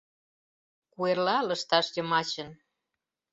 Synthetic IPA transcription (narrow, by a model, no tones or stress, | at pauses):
kuerlɑlə̆ʃt̪ɑʃjəmɑt͡ɕə̆n